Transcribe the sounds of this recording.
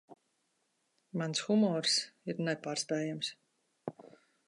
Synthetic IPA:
mansxumɔːɾsiɾnɛpaːɾspɛːjams

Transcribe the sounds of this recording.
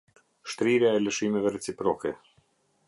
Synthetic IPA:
ʃt̪ɾiɾjaɛləʃimɛvɛrɛt͡sipɾɔkɛ

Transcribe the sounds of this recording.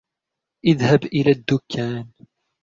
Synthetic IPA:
ʔɪðhabʔɪlaːd̪ːʊkʰːaːn

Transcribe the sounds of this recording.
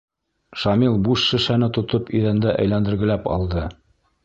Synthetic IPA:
ʃɑmilˠbuʃːɘ̆ʃænɘt̪ŏt̪opiðænd̪æʔæ̰jlænd̪ɘ̆ɾɡɘ̆læpɑ̰lˠd̪ɤ

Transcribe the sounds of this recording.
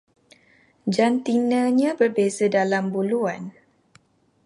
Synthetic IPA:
d͡ʒant̪inãɲãbərbezədalambuluan

